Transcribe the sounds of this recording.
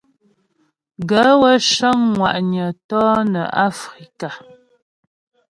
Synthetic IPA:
ɡə˨˦wə˦ʃə˦ŋŋwa˨ʔɲə˨tɔː˦nə̰˨a˦fɾi˨ka˨

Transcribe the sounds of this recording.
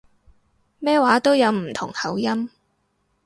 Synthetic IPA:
mɛː˥waː˨˥t̪o˥wjɐ˨˧wm̩˨˩t̪ʰʊ̰˨˩ŋhɐ˨˥wjɐ˥m

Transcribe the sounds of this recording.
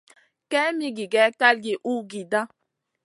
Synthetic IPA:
kɛ˦mi˦ɡi˨ɡɛ˦ka˦lɡe˨ʔu˦ɡi˨da˦

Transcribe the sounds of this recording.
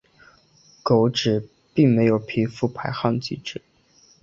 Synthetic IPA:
ko˧˥ʊʈ͡ʂɻ̩˨˩ | pi˥˩ŋme˧˥ɪjo˨˩ʊpʰi˧˥fu˧˥pʰa˧˥ɪxɑ˥˧ŋt͡ɕi˥˩ʈ͡ʂɻ̩˨˩˦

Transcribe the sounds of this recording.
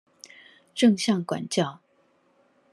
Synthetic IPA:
ʈ͡ʂɤ˥˧ŋɕjɑ˥˩ŋkwa̰˨˩nt͡ɕjɑ˥˩ʊ

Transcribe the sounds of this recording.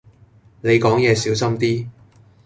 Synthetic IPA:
ne˨˧jkɔː˨˥ŋjɛː˨˧siː˨˥wsɐ˥mt̪iː˥

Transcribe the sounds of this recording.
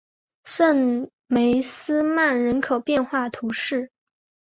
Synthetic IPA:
ʂə˥˩n | me˧˥ɪsɹ̩˥ma˥˩nɻə˧˥nkʰo˨˩ʊpjɛ˥˧nxwa˥˩t̪ʰu˧˥ʂɻ̩˥˩

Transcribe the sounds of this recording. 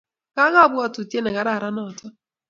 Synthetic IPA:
ka˦ɣa˦bʊ˦a˨tu˨tje˦nɛ˨ɣa˨ɾa˦˨ɾa˦nɔ˦˨tɔ˦

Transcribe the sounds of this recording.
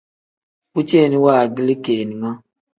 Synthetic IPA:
u˦t͡ʃe˦˨ni˦wa˦˨ɡi˦li˦keː˨ni˨ŋa˦

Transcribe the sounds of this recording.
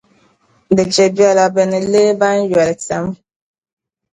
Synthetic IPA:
de˨d͡ʒe˨bja˦la˨bɛ˨nɛ˨le˦ba˦n̩˦ja˨lɛ˨ksa˨m˦

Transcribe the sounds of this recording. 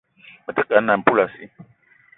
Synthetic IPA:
mə˨ta˦ka˨n̩˦na˨pu˦la˨sḭ˦

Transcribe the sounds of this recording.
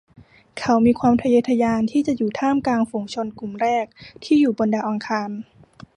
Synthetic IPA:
kʰa˦˥wmiː˧kʰwaː˧mt̪ʰa˧ja˧˥t̪ʰːa˧jaː˧nt̪ʰiː˥˩t͡ɕa˨˩juː˨˩t̪ʰaː˥˩mklaː˧ŋfu˧ŋt͡ɕʰo˧nku˨˩mɾɛː˥˩k̚t̪ʰiː˥˩juː˨˩bo˧nda˨˩wʔa˧ŋkʰaː˧n

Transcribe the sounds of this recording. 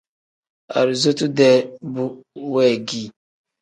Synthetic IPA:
a̰˨ɾi˨zo˦tu˦dɛ˦bu˦wɛ˦˨ɡi˦˨

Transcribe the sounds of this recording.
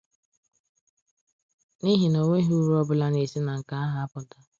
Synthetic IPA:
ni˦ɦi˨no˨ŋʷe˦ɦu˦ɾu˦ɔ˦bʊ˦la˦ne˨si˦na˨ŋ̩˨ka˨a˦ɦa˦a˦pʊ˨ta˦

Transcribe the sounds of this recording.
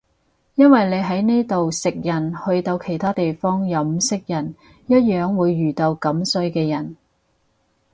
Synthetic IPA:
jɐ˥nwɐ˨jne˨˧jɦɐ˨˥jniː˥t̪o˨wsɪ˨k̚jɐ˨˩nhɵ˧ɥt̪o˧wkʰe˨˩jt̪ʰaː˥t̪e˨jfɔː˥ŋjɐ˨˥m̩sɪ˥k̚jɐ˨˩n | jɐ˥t̚jœː˨˧ŋwuː˨˧jːyː˨˩t̪ɐ˧wkɐ˨˥msɵ˧ɥkɛː˧jɐ˨˩n

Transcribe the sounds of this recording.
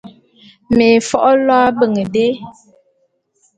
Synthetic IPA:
me˨fɔ˦ʔɔ˦lwɔ˦a˦bə˦˨ŋə˨de˦

